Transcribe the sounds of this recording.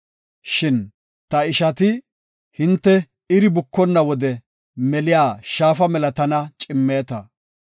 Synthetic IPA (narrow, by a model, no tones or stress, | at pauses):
ʃɪn | t̪ɐɪʃɐt̪ɪ | hɪnt̪ːɛ | ɪɾɪbʊkːɔnːɐwɔd̪ɛ | mɛlɪjaːʃaːfɐmɛlɐt̪ɐnɐt͡ʃʼɪmːeːt̪ɐ